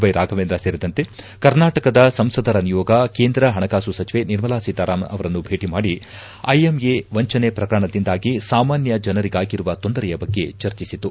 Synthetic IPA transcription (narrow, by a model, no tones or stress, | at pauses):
ʋɐjɾaːɡʱɐʋeːnd̪ɾɐseːɾid̪ɐnt̪e | kɐɾnaːʈɐkɐd̪ɐsɐmsɐd̪ʱɐɾɐnijoːɡɐke̞ːnd̪ɾɐɦɐɳɐkaːsusɐt͡ʃiʋe̞niɾmɐlaːsit̪aːɾaːmɐ̰ʋɐɾɐnːubʱe̞ːʈimaːɽi | ɐjemjeʋɐɲt͡ʃɐnepɾɐkɐɾɳɐd̪ind̪aːɡisaːmaːnjɐd͡ʒɐnɐɾiɡaːɡiɾuʋɐt̪o̞nd̪ɐɾɛjɐbɐɡːe̞t͡ʃɐɾt͡ʃisit̪u